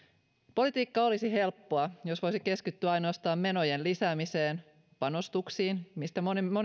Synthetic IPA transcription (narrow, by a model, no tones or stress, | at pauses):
po̞lit̪iːkːɑo̞lisiɦe̞lpːo̞ɑjo̞sʋo̞jsike̞skyt̪ːyæɑjnoɑst̪ɑːmme̞no̞jenlisæːmiseːn | pɑnost̪uksiːnmist̪æmonimo